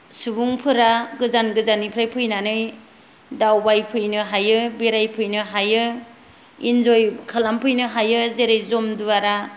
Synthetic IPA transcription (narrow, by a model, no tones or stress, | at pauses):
subuŋpʰɯɾaɡɯzanɡɯzanipʰɾajpʰɯjnanɯj | dawbajpʰɯjnɯɦajɯbiɾajpʰɯjnɯɦajɯ | ḭnd͡ʒojkʰalampʰɯjnɯɦajɯzeɾejzɔmduaɾa